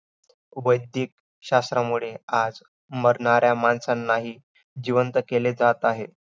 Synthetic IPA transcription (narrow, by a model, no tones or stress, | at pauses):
ʋəjd̪ʱiːk̚ | ɕast̪ɾamuɭead͡z | məɾɳaɾjamansanːaɦiː | d͡ʑiʋənt̪əkeled͡zat̪aɦe